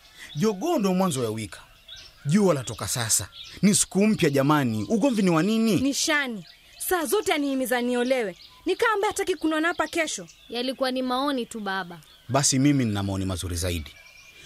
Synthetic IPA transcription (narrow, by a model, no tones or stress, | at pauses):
ʄɔɠɔndɔmwanzɔjawikʰḁ | ʄuɔlatɔkasasanisi̥kum̩pjaʄamaniuɡɔmviniwanininiʃani | saːzɔtɛaniːmizaniɔlɛwɛ | nikaːmbaatakikunɔnaapakɛʃɔjalikuwanimaɔnituɓaɓa | ɓasimimininamaɔnimazuɾizaḭɗi